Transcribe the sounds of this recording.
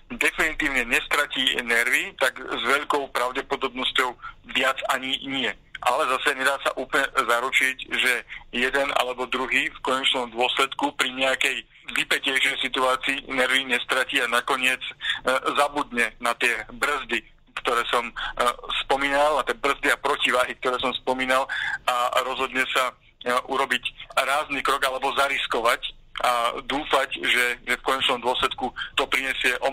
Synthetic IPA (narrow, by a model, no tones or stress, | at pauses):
d̪ɛfinit̪iːʊɲɛɲɛst̪ɾacinɛɾʋit̪aɡzʋɛʎkɔʊpɾaʊɟɛpɔd̪ɔbnɔscɔʊʋɪad͡zaɲiɲɪɛ | ʔalɛzasɛɲɛd̪aːsa̰ʔuːplɲɛzaɾut͡ʃiɟʒɛjɛd̪ɛna̰lɛbɔd̪ɾuɦiːfkɔɲɛt͡ʃnɔmd̪ʊɔslɛt̪kupɾiɲɛakɛj | ʋipɛcɛjʃɛjsit̪uaːt͡siːnɛɾʋiɲɛst̪ɾaciːanakɔɲɪɛd͡zzabud̪ɲɛnat̪ɪɛbr̩zd̪i | kt̪ɔɾɛːsɔmspɔmiːnalat̪ɪɛbr̩zd̪iapɾɔciʋaːɦik̚t̪ɔɾɛːs̬ɔmspɔmiːnalaɾɔzɦɔd̪ɲɛsa | ʔuɾɔbicɾaːznikɾɔɡalɛbɔzaɾiskɔʋac | ʔad̪uːfacʒɛʒɛfkɔɲɛt͡ʃnɔmd̪ʊɔslɛt̪kut̪ɔpɾiɲɛsɪɛʔɔ